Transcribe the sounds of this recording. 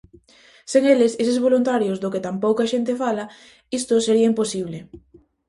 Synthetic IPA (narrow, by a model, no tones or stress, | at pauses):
seŋeleses̬ezβolunt̪aɾjozðʊket̪ampowkaʃent̪efalɐ | ist̪ʊseɾiɐimposiβle